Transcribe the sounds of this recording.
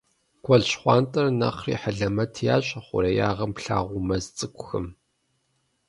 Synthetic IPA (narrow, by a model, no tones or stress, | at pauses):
ɡʷɔɮɕχʷɑːntʼɐrnɐ̰χrḭːħaɮɐmɐtʰjaːɕʼɐχʷʊ̰ɾɐja̰ːʁɐmpɬa̰ːʁʷʊmɐzt͡sʼɨkʷʰʼʊxɨm